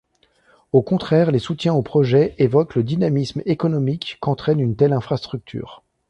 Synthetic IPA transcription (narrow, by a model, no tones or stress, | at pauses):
okɔ̃t̪χɛːʁlesut̪jɛ̃opχɔʒɛevɔkləd̪inamismekɔnɔmikːɑ̃t̪χɛnynt̪ɛlɛ̃fχast̪χyk̚t̪ʰy̰ːʁ